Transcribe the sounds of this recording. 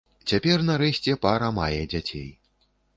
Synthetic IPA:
t͡sʲapʲɛrnaɾɛsʲt͡sʲɛpaɾɐmajɛd͡zʲat͡sʲḛj

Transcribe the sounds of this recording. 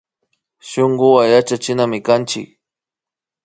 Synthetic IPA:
ʃʊŋɡʊwajat͡ʃat͡ʃɪnamɪkant͡ʃɪ̰k

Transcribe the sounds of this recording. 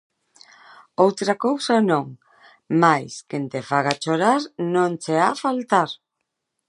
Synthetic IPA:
owt̪ɾakowsanõŋ | majskent̪efaɣat͡ʃoɾaɾnõŋt͡ʃeafalt̪aɾ

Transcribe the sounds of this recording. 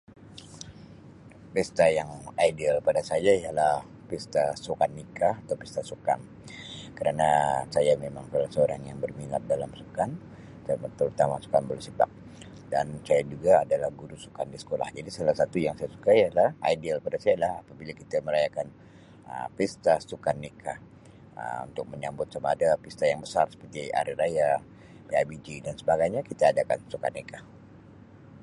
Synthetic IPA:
pɛst̪ajaŋajdialpadasajaijalah | pist̪asukanːikaat̪awpist̪asuka̰n | kəɾanasajamemaŋkalasəoɾaŋjaŋbərmilat̪̚dalamsukan | samət̪əɾut̪amasu̥kanbəlsipa̰k̚ | dansajad͡ʒuɡaːdalahɡuɾusu̥kandisə̥kola̰hd͡ʒadisalahsat̪ujaŋsajasu̥kaijalaha̰idialpadasajalahapabilakit̪aməɾajakan | ə̰mpist̪asukanːikʰa | ə̰mṵnt̪ʊk̚məɲambʊt̪̚samaːdapist̪ajaŋbəsarsə̥pərt̪ia̰ɾiɾaja | peabid͡ʒidansəbaɡajɲakit̪aːdaka̰nsuka̰nːika

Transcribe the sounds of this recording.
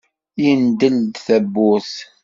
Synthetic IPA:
jind̪əld̪θæbːuθ

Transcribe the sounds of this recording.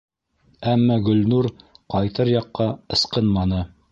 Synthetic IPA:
æmːɑɡɵ̆lnuɾqɑjt̪ɤɾjɑqːɑɤ̆sqɤnmɑnɤ

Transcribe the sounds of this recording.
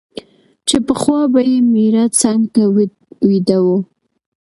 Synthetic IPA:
t͡ʃepəχwɑbajemiɾat͡saŋɡt̪a | wid̪awu

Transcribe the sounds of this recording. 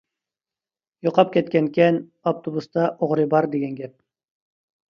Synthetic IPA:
joqʰɑp̚kʲɛt̪̚kʲɛnkʲɛnopt̪ʰobust̪ɑʔoʁɾɨbɑɾd̪eɡʲɛnɡʲɛp̚

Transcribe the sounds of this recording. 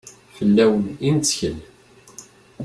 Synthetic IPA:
fəlːæwənint͡sːçəl

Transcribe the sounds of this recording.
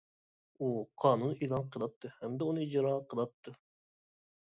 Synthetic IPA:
uqʰɑːnunilˠɑnqʰəlˠɑt̪ʰːɨhɛmd̪ɛunɨid͡ʒɾɑqʰəlˠɑt̪ʰːɨ

